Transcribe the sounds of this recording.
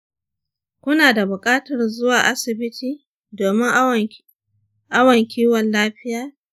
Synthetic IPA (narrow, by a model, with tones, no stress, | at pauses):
kʷʊ˦naː˨da˨bʊ˨kʼaː˦tɐ˨rzʊ˦waː˨ʔa˦sɪ˨bɪ˦tiː˨ | doː˨mɪ˦ŋʔ | ʔa˦wɐ˨ŋkʲiː˦wɔ˨nlaː˦ɸɪ˦jaː˦